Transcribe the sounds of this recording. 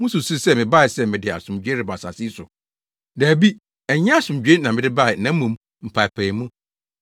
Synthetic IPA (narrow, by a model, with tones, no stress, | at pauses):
mʊ̃˦su˨su˦sɛ˦mɪ̃˨ba˦˨ɪ˨sɛ˦˨mɪ̃˨dɪ˨a̰˨sʊ̃˨md͡ʑᶣe˦ɾɪ˨ba˨sa̰˨si˦sʊ˨ | dæː˨bi˦ | ɛ˨˦ɲɛ̃˦a˨sʊ̃˨md͡ʑᶣe˦nã˨mɪ̃˨dɪ˦ba˦˨nã˦mũ˨m | m̩˨pʰa˨pʰæ̃˨mũ˦